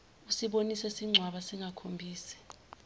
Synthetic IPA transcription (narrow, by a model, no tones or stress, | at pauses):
usiɓonisɛsiŋ͡ǀʱwaɓasiŋakʰombʱiːsɛ̥